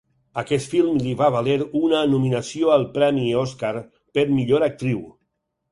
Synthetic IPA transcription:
əkɛt̪filˠmliβaβaleɾunəːnuminəsioalˠpɾɛmioskaɾ | peɾmiʎoɾak̚t̪ɾiw

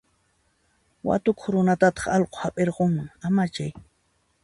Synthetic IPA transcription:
wa̰t̪ʊkʊχɾʊnat̪at̪ɑ̥χɑlqʼo̥hapʼeɾqoŋmʊŋamat͡ʃaj

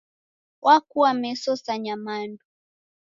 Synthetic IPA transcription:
wʔakuamɛsɔsaɲamandu

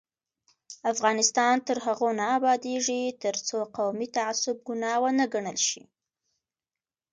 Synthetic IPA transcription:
afɣɑnɪst̪ɑnt̪əɾɦaɣonaːbɑd̪eʐit̪əɾt͡soqawmit̪aasʊb̚ɡʊnɑwənəɡaɳəlʃḭ

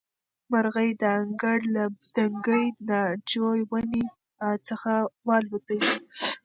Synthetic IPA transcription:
maɾɣəjd̪əaŋɡaɽlad̪aŋɡəjnad͡ʒojwani | t͡səxawɑlbət̪əwi

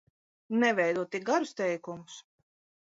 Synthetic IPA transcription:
nɛvʲɛjd̪uɔt̪iɡaɾʊst̪ɛjkumʊs

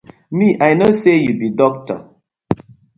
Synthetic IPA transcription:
miʔajnosejubidɔk̚tɔ̰

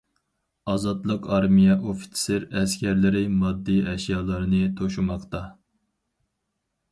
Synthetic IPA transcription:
ɑzɑt̪lˠəqɑɾmijɛʔofi̥t̪seɾɛskʲæɾlɪɾɪmɑd̪ːiɛʃjɑːlˠɨɾɨnɨt̪ʰoʃumɑqt̪ɑ

